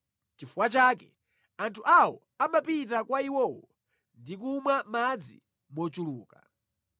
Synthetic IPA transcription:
t͡ʃifuwat͡ʃaːkɛ | antʰuʔawɔ | amapitakwaiwɔːwɔ | ndik̬umwamad͡zḭ | mɔt͡ʃuluːka

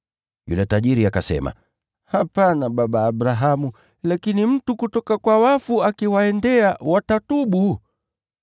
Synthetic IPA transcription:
jṵlɛtaʄiɾiakasɛ̰ma̰ | hapanaɓaɓaːɓɾaɦamu | lakinim̩tukutɔkakwawafuakiwaɛndɛawatatuɓu

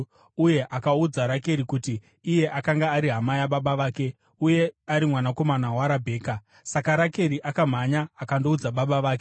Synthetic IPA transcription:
uje̞ʔakaud͡zaɾake̞ɾikutiː | je̞ʔakaŋɡaːɾiɦamajaɓaɓaʋaːke̞ | uje̞aɾimwanako̞manawaɾabʱe̞ːka | sakaɾake̞ɾiʔakam̤aɲaːkando̞ud͡zaɓaɓaʋaːk̬e

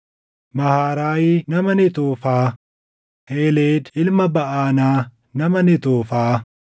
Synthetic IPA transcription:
mɐhaːɾaːjɪnɐmɐnɪt̪oːfaː | heːleːd̪ɪlmɐbɐʔaːnaː | nɐmɐnɪt̪oːfaː

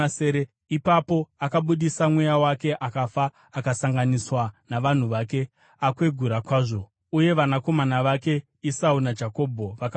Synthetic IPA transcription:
seːɾe | ipapo̞akaɓuɗisamwe̞jawake̞ʔakafaː | kasaŋɡaniswanaʋan̤uʋaːke̞ | akwe̞ɡʱuɾakwaːʐo̞ | uje̞ʋanako̞manaʋake̞ | isaunad͡ʒako̞ːbʱo̞ʋak

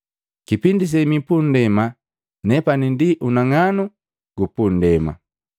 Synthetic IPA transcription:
kipindis̬ɛmipundɛma | nɛpanindiʔunaŋanu | ɡupun̩dɛma̰

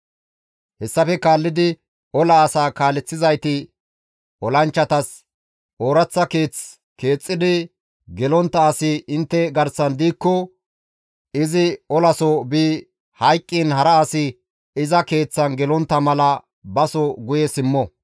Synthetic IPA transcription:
hɛsːɐfɛkaːlːɪd̪ɪ | ɔlɐːsaːkaːlɛt͡sːɪzɐjt̪ɪ | ɔlɐnt͡ʃːɐt̪ɐs | oːɾɐt͡sːɐke̞ːt͡s | ke̞ːt͡sʼːɪd̪ɪ | ɡɛlɔnt̪ːɐːsɪɪnt̪ːɛɡɐɾsɐnd̪iːkːɔ | ɪzɪɔlɐsɔbiː | hɐjkʼːɪnhɐɾɐːsɪ | ɪzɐke̞ːt͡sːɐnɡɛlɔnt̪ːɐmɐlɐ | bɐsɔɡʊjɛsɪmːɔ

